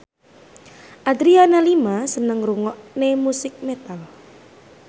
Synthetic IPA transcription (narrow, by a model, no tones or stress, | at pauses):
ʔad̪ɾianalimasənəŋruŋɔʔnemusɪk̚met̪al